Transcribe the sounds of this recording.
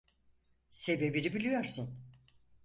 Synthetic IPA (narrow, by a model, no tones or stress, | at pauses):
se̞be̞biɾibilʲijo̞ɾsun